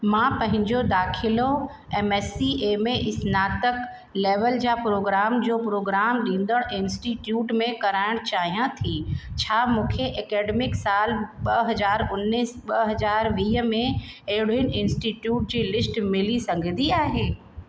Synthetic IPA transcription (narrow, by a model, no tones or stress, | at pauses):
mãːpɐ̃ɦɪ̃ɲd͡ʑod̪aːkʰɪlo | ɛmɛːsieːmẽʔɪsnaːt̪ək | leːʋəld͡ʑaːpɾoːɡɾaːmd͡ʑoːpɾoːɡɾaːmɗĩːnd̪əɽ̃ɪnsʈiʈjuːʈmẽkɐɾaːɪɽ̃t͡ɕaːɦijãt̪ʰit͡ɕʰaːmũːkʰeʔɐkeːɖemɪksaːlɓɐɦɐzaːɾʊnːiːsɓɐɦɐzaːɾʋiːɦəmẽ | eɦɪɽɪnɪnsʈiːʈjuːʈ̚d͡ʑiːlɪsʈmɪlisɐ̃ŋɡʱd̪iaːɦeː